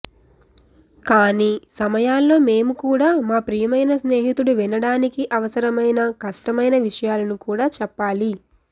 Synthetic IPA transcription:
kaːniːsɐmɐjaːlːo̞ːme̞ːmukuːɽaːmaːpɾijɐmɐjnɐsne̞ːɦit̪uɽuʋinɐɽaːnikiʔɐʋɐsɐɾɐmɐjnɐkɐʂʈɐmɐjnɐʋiʂɐjaːlɐnukuːɽaːt͡ʃɛpːaːli

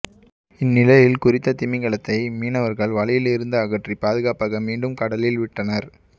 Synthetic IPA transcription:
ɪnːɪlɐjɪlkʊrɪt̪ːɐt̪ɪmɪŋɡɐɭɐt̪ːɐɪmiːnɐʋɐɾɣɐɭʋɐɭɪjɪlɪɾɯnd̪ɐːɣɐʈripaːðɯɣaːpaːɣɐmiːɳɖɯmkɐɽɐlɪlʋɪʈːɐnɐɾ

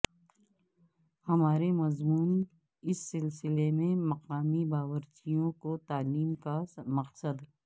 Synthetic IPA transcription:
hɐmaːɾemɐzmuːn | ɪsːɪlsɪlemẽmɐqaːmibaːwəɾt͡ʃijõkot̪aːliːmkamɐqsəd̪

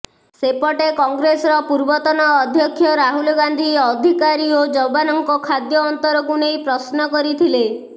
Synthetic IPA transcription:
sepɔʈekɔŋɡɾesɔɾɔpuɾbɔt̪ɔnɔːd̪ʱjɔkʰːjɔɾaɦulɔɡand̪ʱiɔd̪ʱikaɾiod͡ʒɔbanɔŋkɔkʰad̪jɔːnt̪ɔɾɔkunejpɾɔsnɔkɔɾit̪ʰile

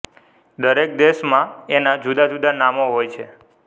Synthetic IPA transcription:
d̪əɾek̚d̪eʃmãenad͡ʒud̪ad͡ʒud̪anamoɦojt͡ʃʰe

